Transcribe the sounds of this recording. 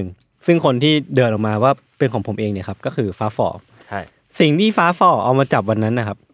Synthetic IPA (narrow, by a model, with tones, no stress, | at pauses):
ŋ | sɯ˥˩ŋkʰo˧nt̪ʰiː˥˩dɤː˧nʔɔ˨˩kmaː˧waː˥˩ | pe˧nkʰɔː˩˦ŋpʰo˩˦mʔeː˧ŋni˥˩ɐkʰa˦˥p̚kɔː˥˩kʰɯː˧faː˦˥fɔ̰ː˧˩ | si˨˩ŋt̪ʰiː˥˩faː˦˥fɔː˧˥˩ʔa̰˧wmaː˧t͡ɕa˨˩p̬̚wa˧nːa˦˥nːa˧kʰa˦˥p̚